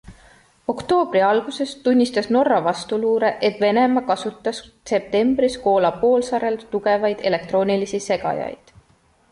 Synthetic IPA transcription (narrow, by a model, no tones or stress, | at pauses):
o̞kt̪o̞ːb̥riɑlɡ̥use̞st̪unʲːist̪ɑsno̞rːɑvɑst̪uluːɾe̞ʔet̪ve̞ne̞mɑkɑsut̪ːˑɑs | se̞p̚t̪e̞mb̥ɾisko̞ːlɑpo̞ːlsɑɾe̞lt̪uɡe̞vɑjd̪̥e̞le̞k̚t̪ro̞ːnilisise̞ɡɑ̰jɑ̰jd̪̥